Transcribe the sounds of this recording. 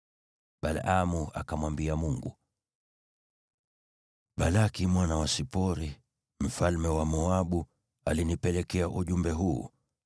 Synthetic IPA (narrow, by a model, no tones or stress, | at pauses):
ɓalamua̰kamwambiamuŋɡṵ | ɓalakimwanawasipɔɾi | m̩falmɛwamɔaɓu | alinipɛlɛkɛaʔuʄumbɛɦṵː